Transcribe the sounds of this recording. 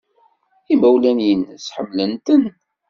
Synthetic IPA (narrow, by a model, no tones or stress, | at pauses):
imæwlænjənːəsħəmːlənt̪ən